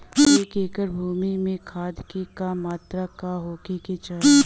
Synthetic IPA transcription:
eːkeːkəɾbʱuːmimẽkʰaːd̪kekamaːt̪ɾakaɦoːkeket͡ʃə

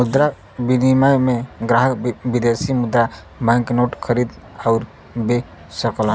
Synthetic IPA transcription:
mʊd̪ɾa | binimajmeɡɾaɦəkbid̪esimud̪ɾa | bɛ̃knoʈkʰəɾid̪ | aʊɾ | be | səklən

